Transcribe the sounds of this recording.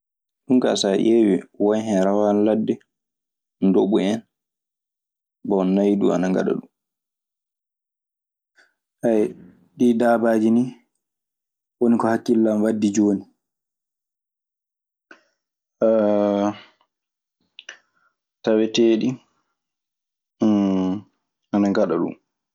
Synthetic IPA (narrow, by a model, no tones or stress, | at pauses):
ɗunka̰saʔewiwajɦɛɾawanladːɛ | ndoɓuɛn | bɔnːajdua̰naŋɡa̰ɗa̰ɗum | ʔaj | ɗidabaːd͡ʒini | wonikɔhakːilːamwadːid͡ʒoːni | tawɛteːɗi | anaŋɡaɗaɗṵm